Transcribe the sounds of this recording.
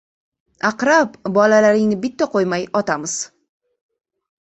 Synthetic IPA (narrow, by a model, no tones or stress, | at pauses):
aqɾapbɒlalaɾɪŋnɪbɪt̪ʰːaqʰojmajɒt̪amɪz̥